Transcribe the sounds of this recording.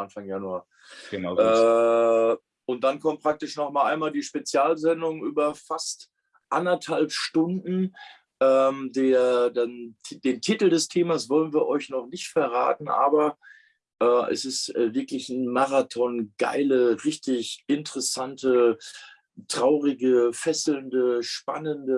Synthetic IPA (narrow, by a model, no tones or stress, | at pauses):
ʔanfaŋjanuḁː | nː | ʊnt̚d̥ankʰɔmtpʁ̥ak̚tɪʃnɔχmaːlʔaɪnmaːldiːʃpet͡sjaːlzɛndʊŋʔyːbɐfast | ʔandɐthalpʃtʊndn̩ | ʔɛːmdeːɐdand̥eːntʰitl̩dɛstʰeːmasv̥ɔlənviːɐʔɔʏçnɔχnɪçtfɛɐʁa̰ːtn̩ʔa̰ːbɐ | ʔɛːʔɛ̰sɪstɛːvɪɐklɪçn̩maʁatʰɔnɡ̥a̰ɪləʁɪçtɪçʔɪntəʁ̥ɛsantə | tʁ̥aʊʁɪɡəfɛsl̩ndəʃpa̰nəndə